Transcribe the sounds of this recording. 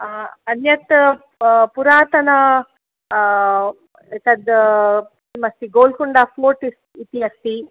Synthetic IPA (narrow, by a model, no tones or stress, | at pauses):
ɐnjɐt̪ | puɾaːt̪ɐnɐ | et̪ɐd̪ | mɐst̪iɡoːlkuɳɖaːpoːʈis | it̪iɐst̪i